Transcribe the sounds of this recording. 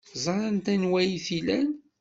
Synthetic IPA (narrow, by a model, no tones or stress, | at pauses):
zˤɑɾˤɑnt̪ænwæjiθilæn